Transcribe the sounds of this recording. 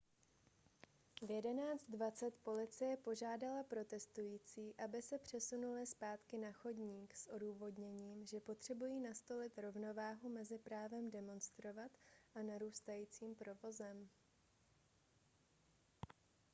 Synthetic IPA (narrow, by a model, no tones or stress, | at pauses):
vjɛdɛnaːt͡st̪̚dvat͡sɛt̪po̞lɪt͡sɪjɛpoʒaːdalapɾo̞t̪ɛst̪ujiːt͡siːʔabɪsɛpr̝̥ɛsunulɪspaːt̪kɪnaxo̞dɲiːksʔo̞duːvo̞dɲɛɲiːmʒɛpo̞t̪r̝̥ɛbujiːnast̪o̞lɪt̪ɾo̞vno̞vaːɦumɛzɪpɾaːvɛmdɛmo̞nst̪ɾo̞vat̪ʔanaɾuːst̪ajiːt͡siːmpɾo̞vo̞zɛm